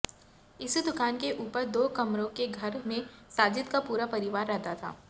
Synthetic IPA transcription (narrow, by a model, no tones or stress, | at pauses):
ɪsd̪ʊkaːnkeʔuːpəɾd̪oːkɐmɾõkeɡʱɐɾmẽsaːd͡ʒɪt̪kapuːɾapɐɾɪʋaːɾːɛɦd̪at̪ʰa̰ː